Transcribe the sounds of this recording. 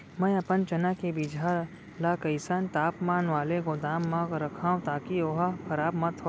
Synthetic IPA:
mə̃ɐpənt͡ʃɐnakebid͡ʒʱa | lakɐɪsaːnt̪aːpmaːnʋaːleɡod̪aːmːãɡɾɐkʰaːũt̪aːkioɦakʰɐɾaːbmɐt̪ʰo

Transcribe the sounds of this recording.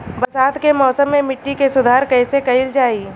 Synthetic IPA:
bɐsaːt̪kemɔːsəmːẽmɪʈːikesʊd̪ʱaːɾkɐːɪsekɐɪld͡ʒaːiː

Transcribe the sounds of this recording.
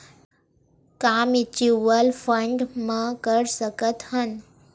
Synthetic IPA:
kaːmit͡ɕiʋəlfʰəɳɖmãkəɾsəkət̪hən

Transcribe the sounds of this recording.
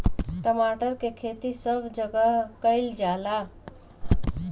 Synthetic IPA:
ʈəmaʈəɾkekʰet̪isəbd͡ʑəɡakəjld͡ʑala

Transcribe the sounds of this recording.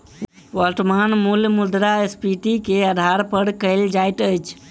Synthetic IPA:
wɔlʈmanmulmud̪ɾaespiʈikeəd̪ʱaɾpəɽkəɪld͡ʒajt̪əjt͡ʃʰ

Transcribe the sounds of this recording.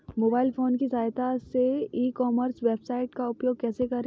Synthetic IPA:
moːbaːɪlfoːnkisaːjt̪aseiːkɔːməɾsʋeːbsaːɪʈkaʊpjoːɡ̚kɛːsekɐɾẽ

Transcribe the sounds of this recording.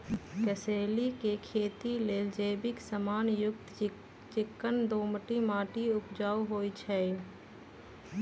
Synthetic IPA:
kəseːlikekʰeːt̪ileːld͡ʒəːbɪksəmaːnjʊk̚t̪ | t͡ʃɪkːənd̪oːmʈimaːʈiʊpd͡ʒaːuɦoːit͡ʃʰɛː

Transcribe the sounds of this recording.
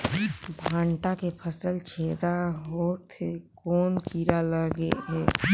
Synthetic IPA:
bʱãːɳʈakepʰəsəlt͡ʃʰeːd̪aɦot̪ʰekoːnkiɾaləɡḛɦɛː

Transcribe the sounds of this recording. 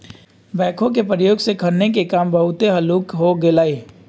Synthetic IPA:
bɛ̃ːkʰõk̬epɾəjoːɡsekʰəɾnek̬ekaːmbɐɦʊt̪eɦɐluːkɦoɡelaːiː

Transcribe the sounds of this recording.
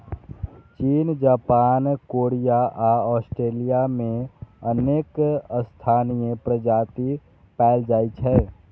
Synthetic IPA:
t͡ʃiːnd͡ʒaːpaːnkoːɾijaʔaɔːsʈɾeːlijamẽəneːkst̪ʰaːnijepɾəd͡ʒaːt̪i | pɛːld͡ʒaːit͡ʃʰɛː

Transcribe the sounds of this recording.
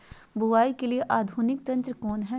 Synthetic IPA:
bʊʋaːikelieʔaːd̪ʱuːnɪk̚t̪ɐ̃nt̪ɾəkɔːnɦɛ

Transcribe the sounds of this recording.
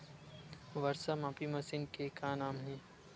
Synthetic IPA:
ʋɐɾsamãːpimɐsɪnkekaːnaːmɦẽː

